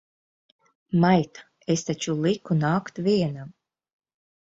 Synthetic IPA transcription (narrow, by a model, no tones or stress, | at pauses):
majt̪ḁ | est̪at͡ʃulˠikunaːkt̪viɛnam